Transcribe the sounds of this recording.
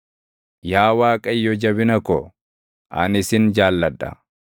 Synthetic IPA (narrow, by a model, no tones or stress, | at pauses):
jaːwaːkʼɐjːɔd͡ʒɐbɪnɐkɔ | ʔɐ̰nɪsɪnd͡ʒaːlːɐdːɐ̰